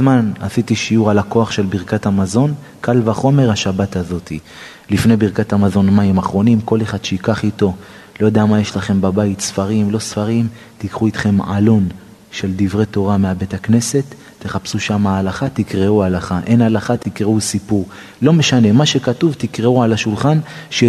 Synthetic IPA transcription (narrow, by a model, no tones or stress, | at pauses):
zmanha̰sitiʃiuʁalako̞aχʃe̞lbiʁkathamazo̞n | kʰalvaχo̞me̞ʁhaʃabatazo̞t̪i | lifne̞jbiʁkathamazo̞nmaimaχʁo̞nimko̞le̞χad̥̪ʃeikaχito̞ | lo̞jod̪eamaje̞ʃlaχe̞mbabait̪sfaʁimlo̞sfaʁim | t̪ikχuit̪χe̞mʕa̰lo̞n | ʃe̞ldivʁet̪o̞ʁameabe̞takne̞se̞t̪ː | eχapsuʃamaːlaχat̪ikʁeualaχaʔe̞nalaχat̪ikʁeusipuʁ | lo̞me̞ʃane̞maʃekatuvtikʁeuʕalaʃulχanʃe